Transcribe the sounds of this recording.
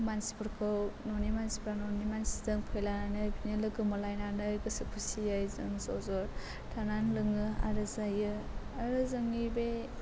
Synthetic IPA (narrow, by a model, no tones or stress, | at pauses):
mansi̥pʰɯɾkʰɯwnɔnimansi̥pɾanɔnimansi̥zɯŋpʰɔjlananɯjbinilɯɡɯmɔlajnanɯjɡɯsɯkʰusiajzɯŋzɔzɔɾ | tʰananlɯŋɯa̰ɾɯzajɯ | aɾɯzɯŋibe